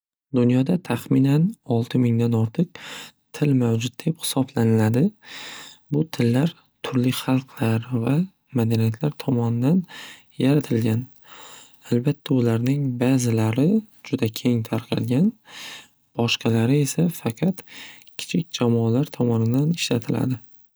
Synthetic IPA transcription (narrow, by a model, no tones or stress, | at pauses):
d̪ʊnjɒd̪at̪ʰaχmɪnanɒlˠt̪ʰɪmɪŋd̪anɒɾt̪ʰɨq̚t̪ʰɪlmawd͡ʒʊt̪̚d̪e̞phɪ̥sɒblanɪlad̪ɪ | bʊt̪ʰɪlːaɾ | t̪ʰʊɾlɪχɑlˠqʰlaɾva | mad̪anijat̪ʰlaɾt̪ʰɒmɒnɪd̪an | jaɾat̪ʰɪlɡʲan | albat̪ʰːaʊlaɾnɪŋbazɪlaɾɪ | d͡ʒʊd̪akʲʰe̞ŋt̪ʰaɾqʰɑ̰lˠɡʲan | b̥ɒʃqɑlaɾɪe̞safɑqʰɑt̪kʲʰɪ̥t͡ʃʰɪkʲd͡ʒamːlaɾt̪ʰɒmɒnɪd̪anɪʃlat̪ʰɪla̰d̪ɪ